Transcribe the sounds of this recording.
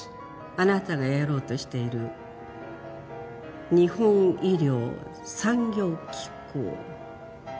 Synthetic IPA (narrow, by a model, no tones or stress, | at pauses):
anat̪aɡajaɾo̞ːt̪o̞ɕi̥t̪e̞iɾɯ̟ | ɲ̟ihõ̞ŋ̃iɾʲo̞ː | sãŋɡʲo̞ːkʲʰi̥kːo̰ː